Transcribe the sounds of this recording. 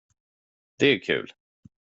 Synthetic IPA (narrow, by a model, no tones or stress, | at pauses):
d̪̥ɛæɾkʰʉ̰ːl